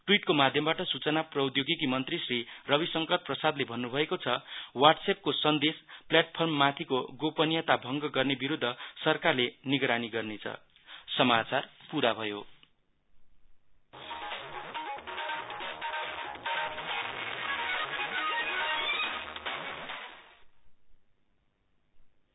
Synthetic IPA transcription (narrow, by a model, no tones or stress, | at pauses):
ʈwiʈkomad̪ʱjʌmbaʈʌsut͡sʌnaprʌud̪joɡekimʌnt̪risrirʌbisʌŋkʌt̪̚prʌsad̪lebʱʌnːubʱʌekot͡sʰʌwarʈsep̚kosʌnd̪espljaʈpʰʌrmːat̪ʰikoɡopʌnijʌt̪abʱʌŋɡʌɡʌrnebiɾud̪ʱːʌsʌrkarleniɡɾaniɡʌrnet͡sʰʌ̰ | sʌmat͡sarpuɾabʱʌjo